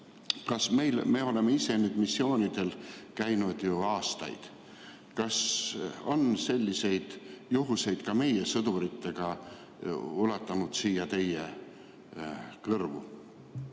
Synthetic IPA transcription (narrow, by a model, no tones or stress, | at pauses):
kɑsme̞jlme̞ːo̞le̞meise̞nyːd̪̥misːjo̞ːnid̪̥e̞lkæjnud̪̥juɑːst̪ɑ̰jd̪̥ | kɑso̞nse̞lʲːise̞jd̪̥juɦuse̞jd̪̥kɑme̞jesɤd̪̥uɾit̪ːe̞ɡ̥ɑ | ulɑt̪ˑːɑnud̪̥siːjɑt̪e̞je | kɤrvṵ